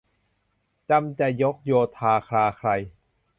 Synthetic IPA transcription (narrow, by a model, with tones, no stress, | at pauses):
t͡ɕa˧mt͡ɕa˨˩jo˦˥k̚joː˧t̪ʰaː˧kʰɾaː˧kʰɾa˧j